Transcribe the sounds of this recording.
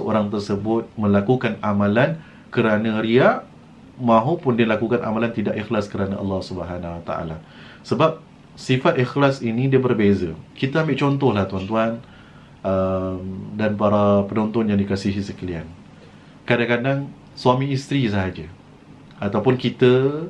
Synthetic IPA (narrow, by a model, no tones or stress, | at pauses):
səo̰ɾaŋt̪ərsəbʊt̪̚mə̃lakukanamãlan | kəɾanəɾiaʔ | mãɦupʊndiəlakukanʔa̰malant̪idaʔixlaskəɾanaʔɑ̰lːɑhsubəɦanawat̪a̰a̰la | səbap̚ | sifat̪̚ixlasinĩdiəbərbezəkit̪əambɪʔt͡ʃɔnt̪ɔhlaht̪uant̪uan | ʔəmdanpaɾapənɔnt̪ɔnjaŋdikasiɦisəkəlian | kadaŋkadaŋ | suwamĩːst̪ɾis̬əɦad͡ʒə | ʔat̪awpʊnkit̪ə